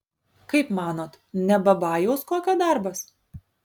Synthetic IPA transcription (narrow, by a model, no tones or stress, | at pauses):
kɐɪpmɑːnoːt̪ | nʲɛbɐbɑːjoʊskoːkʲɐd̪ɑˑɾbɐs